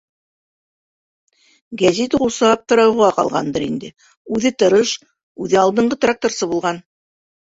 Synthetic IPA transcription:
ɡæzit̪ʁulˠsɑp̚t̪ɤ̆ɾɑwʁɑqɑ̰lˠʁɑ̰nd̪ɤɾind̪ɘ | ʉðɘt̪ɤ̆ɾɤʃ | ʉðɘɑlˠd̪ɤ̆ɴɢɤt̪rak̚t̪orsɤbulˠʁɑn

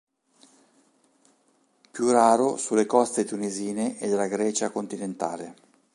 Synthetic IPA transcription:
pjuraːɾosulːekɔst̪et̪uniziːneʔed̪elaɡɾɛːt͡ʃakont̪inent̪a̰ːle

